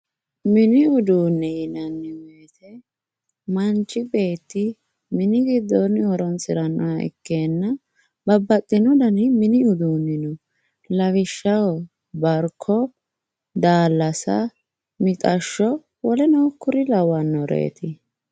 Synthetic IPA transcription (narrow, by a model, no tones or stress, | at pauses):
mɪnɪʊd̪uːnːɛjɪnɐnːɪweːt̪ʰɛ | mɐnt͡ʃʼːɪbe̞ːt̪ːɪ | mɪnɪɡɪd̪ːɔnɔɾɔnsɪɾɐnɔwɐɪ̰kːeːnːɐ | bɐbːɐt̪ʼːɪnɔd̪ɐnɪmɪnɪʊd̪uːnːɪnɔ | lɐwɪʃːɐwɔ | bɐɾkʰːɔ | d̪aːlːɐsɐ̰ | mɪt̪ʼɐʃːɔ | wɔlɛnɔkːʊɾɪlɐwɐnːɔɾʔḛːt̪ɪ